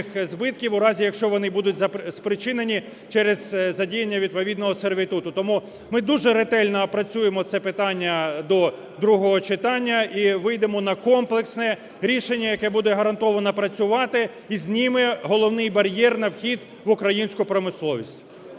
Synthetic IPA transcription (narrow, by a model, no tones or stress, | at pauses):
xzbɪt̪̚kʲiwʊɾɑzʲijɐkʃt͡ʃɔʋɔnɪbud̪ʊtʲzɐspɾɪt͡ʃɪnenʲi | t͡ʃɛɾez̥ːɐdʲijenʲːɐʋʲid̪̚pɔʋʲid̪nɔɦɔserʋʲit̪ut̪ʊt̪ɔmu | mɪd̪uʒɛɾet̪ɛlʲnɐpɾɐt͡sʲujemɔt̪sɛpɪt̪ɑnʲːɐd̪ɔ | d̪ɾuɦɔɦɔt͡ʃɪt̪ɑnʲːɐiʋɪjd̪emɔnɐkɔmplˠeksnɛ | ɾʲiʃenʲːɐjɐkɛbud̪ɛɦɐɾɐnt̪ɔʋɐnɐpɾɐt͡sʲʊʋɑt̪ɪ | izʲnʲimɪɦɔlˠɔwnɪjbɐɾʲjɛrnɐwxʲid̪ | ʋʊkɾɐjinʲsʲkʊpɾɔmɪslˠɔʋʲisʲtʲ